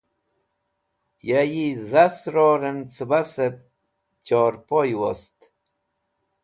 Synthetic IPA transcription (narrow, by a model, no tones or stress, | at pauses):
jajiðasɾoːɾent͡səbasep̚ | t͡ɕoɾpojwost̪